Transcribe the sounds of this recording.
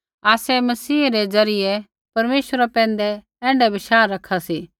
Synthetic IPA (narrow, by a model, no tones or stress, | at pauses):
aːsɛmɐsiːɾed͡zɐɾɪjɛ | pɐɾmeːʃəɾapɛ̃ːnd̪ɛ | ɛ̃ːɳɖɛbɪʃaːɾːɐkʰasiː